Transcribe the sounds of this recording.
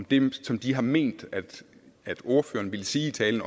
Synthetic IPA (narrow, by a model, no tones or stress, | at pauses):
md̥emsɒ̽md̥iɦɑ̈me̝̰ːnd̥æd̥ | æd̥o̝ɐfø̰ːɐn̩ʋe̝lsiːit͡sʰɛːln̩ɒ̽